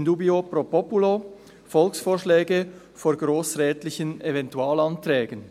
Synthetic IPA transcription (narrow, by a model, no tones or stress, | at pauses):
nduːbiopɾopɔpulo | fɔlksfoːʁʃlɛːɡə | foːɐɡɾoːsʁɛːtlɪçənevɛntuaːlantɾɛːɡən